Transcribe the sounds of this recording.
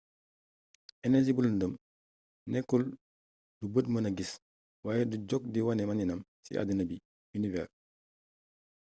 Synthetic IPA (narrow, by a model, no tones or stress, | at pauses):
ɛnɛs̬ibulundəm | nɛkːul | dubətmənɐɡis | waːjɛduɟɔk̚diwɐnɛmɐninɐmsḭʔa̰dinɐbi | univɛ̰ːr